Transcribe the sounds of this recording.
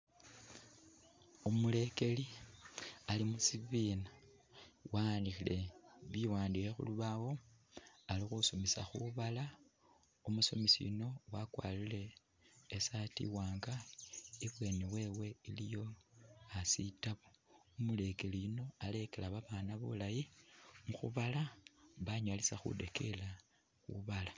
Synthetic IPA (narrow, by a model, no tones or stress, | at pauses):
umule̞ke̞li | alimusiβiːna | waːnixile̞βiwaːndiexṵluβawo̞ | alixusomisa̰xuβala | umusomisḭino̞wakwa̰ːlile̞ː | satḭwaːŋɡaiβwe̞newe̞we̞ilijo̞asitaβoumule̞keliino̞ale̞ke̞laβaβanaβṵlajimuxṵβalaβaɲalisaxṵde̞kʰe̞la | xṵβala